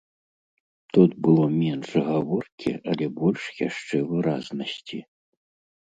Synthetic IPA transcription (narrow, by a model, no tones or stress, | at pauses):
t̪ut̪bɨlˠɔmʲɛnʂɣavɔrkʲḭʔɐlʲɛbɔlʲʂja̰ʂt͡ʂɛvɨɾaznɐsʲt͡sʲi